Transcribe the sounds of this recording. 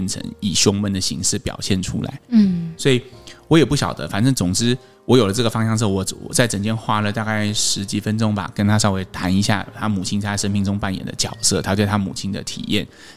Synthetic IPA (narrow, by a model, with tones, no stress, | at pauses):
nʈ͡ʂʰə̰˧˥ŋi˨˩ɕjʊ˥ŋmə˧˥nd̪ə˨ɕḭ˧˥ŋʂɻ̩˥˩pjɑ̰˨˩ʊɕjɛ˥˩nʈ͡ʂʰṵ˥la̰˧˦ɪ˥˩swɔ˧˥i˨˩wɔ˧˥jɛ˨˩pu˥˩ɕjɑ˨˩ʊd̪ə̰˦fa˨˩nʈ͡ʂɤ˥˩ŋt͡sʊ˨˩ŋt͡sɻ̩˥ | wʔɔ˧˥jo˨˩ʊlə˦ʈ͡ʂɤ˥˩ɡə˩fɑ˥ŋɕjɑ˥˧ŋʂ̬ɤ˥˩wɔ˧˥wɔ̰˨˩t͡sa˥˩ɪʈ͡ʂə˨˩ŋt͡ɕjɛ˥nxwa˥lə˨t̪a˥˧ka˥˩ɪʂɻ̩˧˥t͡ɕi˨˩fə˥nʈ͡ʂʊ˥ŋba̰˨˩kə˧˥nt̪ʰa˥ʂɑ˥˧ʊwe˧˥˩ɪt̪ʰa˧˥ni˧˥ɕja̰˥˩t̪ʰa˥mu˨˩t͡ɕʰi˥na˥˧a˥˩ʂə˥nmi˥˩ŋʈ͡ʂʊ˥ŋpa˥˩njɛ̰˨˩nd̪ə̰˦t͡ɕjɑ˨˩ʊsɤ˥˩t̪ʰa˥t̪we˥˩ɪt̪ʰa˥mṵ˨˩t͡ɕʰi˥nd̪ə̰˨t̪ʰḭ˨˩jɛ̰˥˩n